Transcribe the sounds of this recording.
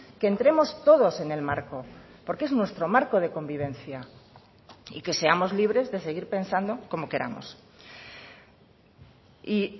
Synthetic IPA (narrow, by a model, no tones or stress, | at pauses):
keent̪ɾe̞mo̞st̪o̞ð̞o̞se̞ne̞lmaɾkopo̞ɾke̞znwe̞st̪ɾo̞maɾko̞ð̞e̞ko̞mbiβẽ̞nθja | ḭke̞se̞amo̞zliβɾe̞zðe̞se̞ɣ̞iɾpe̞nsand̪o̞ko̞mo̞ke̞ɾa̰mo̰s | i